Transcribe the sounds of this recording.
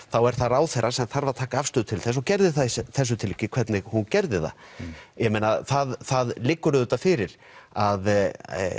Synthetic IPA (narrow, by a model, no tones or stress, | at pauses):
θawɛɾ̥θaɾaːwθɛjɾasɛmθaɾvaðt̪ʰaːkaafst̪ʏːðʏt̪ʰɪlθɛs̬ɔɣcɛɾðɪθasθɛs̬ːʏt̪ʰɪlːicɪkʰvɛɾt̪nɪɣhuncɛɾðɪθa̰jɛmejnaθaðθaðlɪkːʏɾʏðʏt̪ːafɪɾɪɾ | að